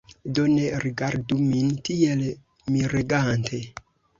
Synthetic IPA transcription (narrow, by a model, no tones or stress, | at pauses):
doneɾiɡaɾdumintiel | miɾeɡantʰe